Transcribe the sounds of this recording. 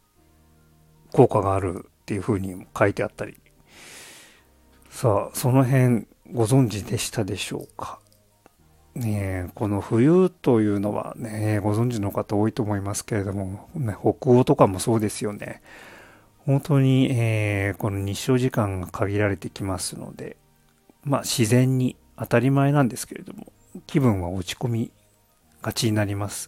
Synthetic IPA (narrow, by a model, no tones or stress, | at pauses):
ko̞ːkaɡaːɾɯ̟̰t̪ːe̞jɯ̟ɸɯ̟ːɲ̟ikait̪e̞at̪ːaɾʲḭ | saːso̞no̞ɦẽ̞ŋ | ɡo̞zõ̞ɲ̟d͡ʑid̪e̞ɕi̥t̪ad̪e̞ɕo̞̰ːkʰḁ | neko̞no̞ɸɯ̟jɯːt̪o̞jɯ̟ːno̞βa̰neɡo̞zõ̞ɲ̟d͡ʑino̞kat̪ao̞ːit̪o̞ːmoimasɨ̥ke̞ɾe̞d̪o̞mo̞neho̞kɯ̟ot̪o̞kamo̞so̞ːd̪e̞sɨjo̞ne̞̰ | hõ̞nt̪o̞ːɲ̟ieːko̞no̞ɲ̟iɕːo̞ːʑikãŋɡakʰaɡʲiɾaɾe̞t̪e̞kʲimasɨno̞̰d̪e̞̰ | maɕizẽ̞ɲ̟ːi | at̪aɾʲimae̞nãnd̪e̞sɨ̥ke̞ɾe̞̰d̪omo̞ | kʲibɯ̟̃ɰ̃βaot͡ɕi̥ko̞mʲi | ɡ̥at͡ɕiɲinaɾʲimasɨ̥